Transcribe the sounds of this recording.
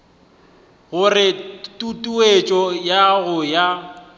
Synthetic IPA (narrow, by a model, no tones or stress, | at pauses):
ɣʊrɪtʼutʼuet͡ʃʼɔjaɣʊja